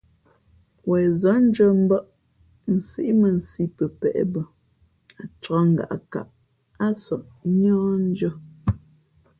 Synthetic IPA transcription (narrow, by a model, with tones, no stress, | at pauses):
wɛː˨zɔ˨˦n̩˦d͡ʒə˦m̩˦bɔ˦ʔ | n̩˨si˦ʔi˦mə˨n̩˨si˦pə˨pɛ̰˨ʔɛ̰˨˦bə˨ | a˨t͡ʃɔ˦ŋ̩˨ɡa̰˨ʔa̰˨ka̰˨ʔ | a˦sɔ˨ʔɲɔ̃ː˦n̩˦d͡ʒɔ˦